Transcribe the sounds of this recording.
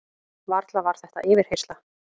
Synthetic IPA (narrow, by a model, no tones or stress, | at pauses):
vaɾt̪lavaɾ̥θɛht̪a̰ʔɪːvɪɾ̥hejrst̪la